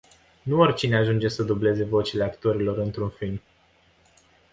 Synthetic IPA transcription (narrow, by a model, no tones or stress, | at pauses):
nuorʲt͡ʃineaʒund͡ʒe̞səd̪uble̞ze̞vo̞t͡ʃile̞akt̪o̞ɾilo̞ɾɨnt̪ɾunfiln